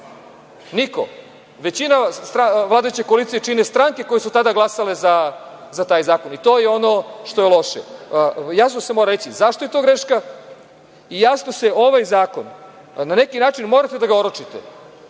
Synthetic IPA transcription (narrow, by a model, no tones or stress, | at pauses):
niko̞̰ | ʋe̞t͡ɕinast̪ɾaʋlˠaːd̪ajut͡ɕekoalit̪sijet͡ʃinest̪ɾaŋke̞ko̞jesut̪ad̪aɡlˠasalezazat̪aːjzaːko̞nit̪o̞ːjeo̞no̞ʃt̪o̞jelo̞ʃḛjas̬no̞se̞moɾaɾet͡ɕizaʃt̪ojet̪o̞ːɡɾeʃka | ijasnose̞ʔo̞ʋajzaːko̞n | nane̞kinaːt͡ʃinmo̞ːɾat̪e̞d̪aɡaoɾot͡ʃit̪ḛ